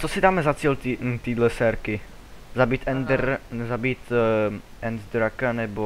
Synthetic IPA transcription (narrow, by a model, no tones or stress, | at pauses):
t͡sosɪdaːmɛzat͡siːlt̪it̪iːdlɛsɛɾkɪ | zabiːt̪ɛnd̪ɛɾzabiːt̪ | ʔɛnzd̪ɾakanɛbo